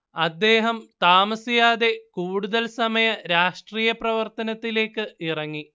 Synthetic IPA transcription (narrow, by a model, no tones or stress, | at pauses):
ɐd̪ːe̞ːɦɐmt̪aːmɐsijaːðe̞kuːɽuðɐlsɐmɐjɐɾaːʂʈriːjɐprɐʋɐrt̪ɐnɐt̪ːile̞ːkːɨirɐŋːi